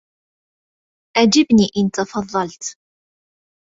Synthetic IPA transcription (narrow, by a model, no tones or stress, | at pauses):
ʔæd͡ʒibniʔɪnt̪ɑfɑðˤːɑlt̪